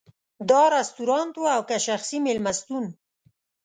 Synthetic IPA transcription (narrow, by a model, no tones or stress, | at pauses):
d̪ɑɾast̪uɾɑnt̪waawkaʃaxsimɪlmast̪un